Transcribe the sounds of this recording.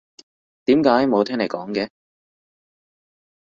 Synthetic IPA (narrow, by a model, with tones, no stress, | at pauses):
t̪iː˨˥mkaː˨˥jmo˨˧wt̪ʰɛː˥ŋle˨˩kɔː˨˥ŋkɛː˧